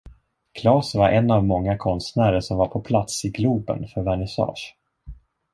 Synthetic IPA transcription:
kʰlɑːsvaɾʔɛnːavmɔŋːakʰɔnst̪næːɾəʂɔmvaɾpʰɔpʰlat̪sɪɡluːbə̰nfœɾvæɳɪsɑ̰ːʂ

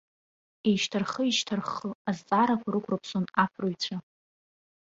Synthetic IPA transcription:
eʃtʰarχəiʃtʰarχəazt͡sʼaɾakʷʰaɾɨkʷʰʼrɨpʰsonapʰrojt͡ɕʷʰa

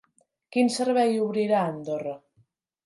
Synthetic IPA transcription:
kinsəɾβɛjuβɾiɾaənd̪orə

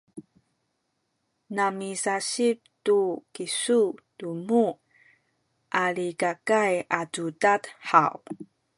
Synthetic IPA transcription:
namisaɕip̚tukisutumu | ʔaɭikakajatudatħa̰w

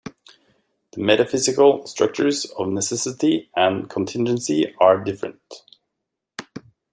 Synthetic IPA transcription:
ðəmɛɾəfɪzɪkəlˠstɹ̥ʌ̰k̚t͡ʃə˞zʌvnɛsɛsɪtiə̃nkʰə̃n̩tʰɪ̃nd͡ʒə̃nsiaɹdɪfɹə̰̃nt

